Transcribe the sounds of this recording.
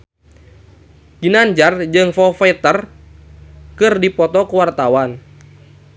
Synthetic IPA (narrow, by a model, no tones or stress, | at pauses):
ɡ̥inaɲd͡ʒard͡ʒɨŋfɔfɛt̪ər | kɨrdipɔt̪ɔkəwart̪awan